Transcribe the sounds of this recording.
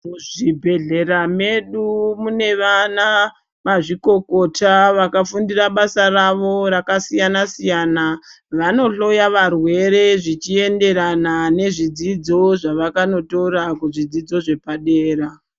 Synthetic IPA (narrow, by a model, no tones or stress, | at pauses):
muʐibʱe̞ɮe̞ɾame̞ɗumune̞ʋana | maʐiko̞ko̞taʋakafundiraɓasaraʋo̞ɾakasijanasijana | ʋano̞ɬo̞jaʋarwe̞ɾe̞ʐit͡ʃie̞nde̞ɾanane̞ʐid͡zid͡zo̞ʐaʋakano̞to̞ɾakuʐid͡zid͡zo̞ʐe̞paɗeːɾa